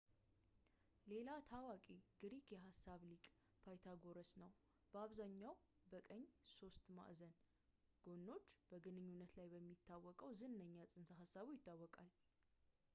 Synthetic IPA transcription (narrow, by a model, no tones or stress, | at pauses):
le̞lat̪ʰawakʼiɡɨɾikjɛɦasːaβlikʼ | pʰajt̪ʰaɡo̞ɾəsnəw | b̥əaβzaɲːaw | bəkʼəɲːso̞st̪ma̰ʔzən | ɡ̥o̞nːo̞t͡ʃːb̥əɡɨnɨɲːunːət̪lajbəmːit̪ʰːawːɔkʼəwzɨnnəɲːasʼɨnsəɦasːaβujɪt̪ʰːawːɔkʼal